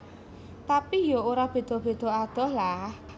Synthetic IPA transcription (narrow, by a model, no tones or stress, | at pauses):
t̪apijooɾab̥e̤d̪̥ɔ̤b̥e̤d̪̥ɔ̤ad̪̥ɔ̤hlah